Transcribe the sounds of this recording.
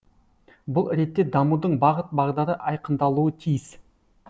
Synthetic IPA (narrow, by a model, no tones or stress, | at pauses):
bʊlˠɾe̞t̪ːe̞d̪ɑmud̪əɴbɑʁət̪̚bɑʁd̪ɑɾəʔɑjqənd̪ɑlˠuət̪ʰijɪs